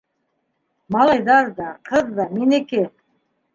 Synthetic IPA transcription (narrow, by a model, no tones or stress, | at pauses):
mɑlˠɑjd̪ɑɾd̪ɑqʰɤðd̪ɑmeneke